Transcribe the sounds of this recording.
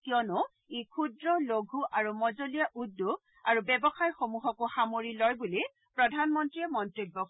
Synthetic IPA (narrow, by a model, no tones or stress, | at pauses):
kiɔnʊ | ekʰudɹɔloɡʱuʔaɹumɔzolijaʔudːu | aɹubɛbɔxajxomuɦɔkʊxamoɹilɔjbuli | pɹɔdʱanmɔntɹiɛmɔntɹibːɔ